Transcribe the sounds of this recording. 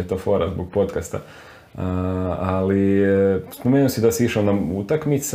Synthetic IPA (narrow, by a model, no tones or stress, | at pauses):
et̪ofo̞ɾazboɡ̚po̞t̪kast̪a̰ | ali | spomenuosid̪asiiʃalnaut̪akmit̪s